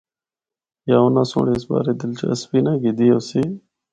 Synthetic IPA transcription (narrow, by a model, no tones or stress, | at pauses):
jaːoːnãːso̰ːɽeːɪsba̰ːɾeːd̪ɪlt͡ʃə̰əspiːnaːɡiːd̪ijoːsiː